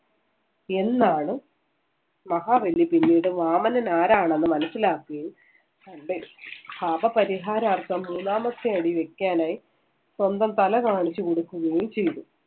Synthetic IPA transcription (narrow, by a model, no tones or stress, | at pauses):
e̞nːaːɳɨ | mɐɦaːʋɐlːipinːiːɽɨʋaːmɐnɐnaːɾaːɳenːɨmɐnɐsːilaːkːɐjum | ɐɳɖepʰaːbɐpɐɾiɦaːɾaːrt̪ɐmːuːnaːmɐsjɐɐɽiʋe̞kʲːaːnaːji | swɐnd̪ɐmt̪ɐlɐkaːɳit͡ɕːukoɽukːuɣɐjumt͡ɕe̞jt̪u